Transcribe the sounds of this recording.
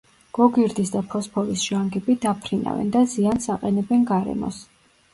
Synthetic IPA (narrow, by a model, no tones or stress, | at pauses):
ɡ̥ɔɡiɾd̪isd̪apʰɔspʰɔɾisʒ̥aŋɡɛbid̪apʰɾina̰vɛ̰nd̪aziansaqʼɛnɛbɛnɡaɾɛ̰mɔ̰s